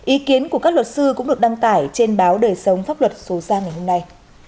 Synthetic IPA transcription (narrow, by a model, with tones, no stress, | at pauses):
ʔi˨˦ki˨˦ənku˧˩əkaː˦˥k̚lwə˨˩t̚sɨ˧kʊ˧˥ŋ͡mɗɨ˨˩ək̚ɗa˧ŋt̪aː˧˩jt͡ɕe˧nɓaː˨˦wɗəː˨˩jsə˨˦wŋ͡mfaː˦˥p̚lwə˨˩t̚so˨˦zaː˧ŋa˨˩jhɦo˧mna˧j